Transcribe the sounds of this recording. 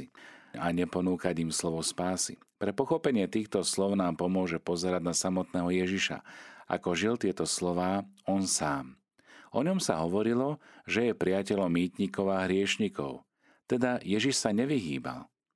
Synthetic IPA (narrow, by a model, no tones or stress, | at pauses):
iaɲɛpɔnuːkaɟimslɔʋɔspaːsḭpɾɛpɔxɔpɛɲɪɛt̪iːxt̪ɔslɔʊnaːmpɔmʊɔʒɛpɔzɛɾad̪nasamɔt̪nɛːɦɔjɛʒiʃa̰ʔa̰kɔʒilt̪ɪɛt̪ɔslɔʋaːɔnsaːm | ɔɲɔmsa̰ɦɔʋɔɾilɔʒɛjɛpɾiacɛʎɔmːiːt̪ɲikɔʊaɦɾɪɛʃɲikɔ̰ʊ | t̪ɛd̪ajɛʒiʃsaɲɛʋiɦiːba̰l